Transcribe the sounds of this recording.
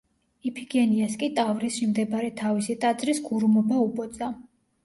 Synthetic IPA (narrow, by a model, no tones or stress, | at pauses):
ipʰiɡɛniaskʼit̪ʼavɾisʃimd̪ɛbɾɛt̪ʰavisit̪ʼad̪zʼɾisɡuɾmɔbaupʼɔt̪sʼa